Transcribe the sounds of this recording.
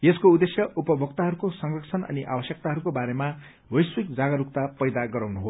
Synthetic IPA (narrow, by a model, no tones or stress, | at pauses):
jeskoud̪esjʌʔupʌbʱʌkt̪aɦʌɾukosʌŋrʌkt͡sʰʌnʌ̰niʔa̰bʌsjʌk̚t̪aɦʌɾukobaɾema | wʌjswik̚d͡zaɡʌɾuk̚t̪apʌjd̪aɡʌɾawnuɦo